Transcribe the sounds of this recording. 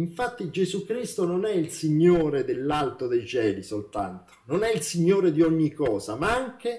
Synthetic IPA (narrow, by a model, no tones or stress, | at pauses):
iɱfat̪ːid͡ʒezukɾist̪ononɛilsiɲːoːɾed̪elːalt̪od̪ejt͡ʃɛːlisolt̪a̰nt̪o̥nonɛilsiɲːoːɾed̪iɔɲːikːɔːzamaaŋk̟e